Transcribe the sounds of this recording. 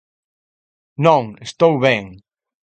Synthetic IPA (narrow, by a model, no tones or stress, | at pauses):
nõŋest̪owβɛŋ